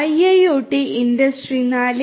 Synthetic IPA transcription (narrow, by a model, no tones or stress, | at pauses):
ɐjɐjoːʈːiʔindɐsʈrinaːl